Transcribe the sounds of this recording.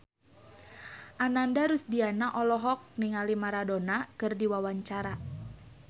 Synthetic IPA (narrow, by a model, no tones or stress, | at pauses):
ʔanandaɾusdianaʔɔlɔɦɔk̚niŋalimaɾadonakɨrdiwawaɲt͡ʃaɾa